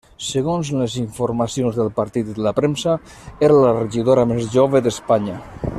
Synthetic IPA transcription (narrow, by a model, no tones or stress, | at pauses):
səɣ̞onzləziɱfuɾmasionzðəlˠpaɾt̪it̪d̪əlapɾemsa | eɾlareʒiðoɾamezʒoβeðespaɲə